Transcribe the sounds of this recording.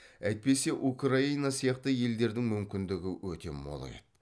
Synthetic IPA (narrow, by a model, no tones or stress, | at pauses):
æjt̪̚pe̞se̞ʔukraijnɑsijɑqt̪əje̞ld̪e̞ɾd̪ɪŋmʏmkʲɪnd̪ɪɡʲɪwɵt̪e̞̰mo̰lˠɑ̰jḛt̪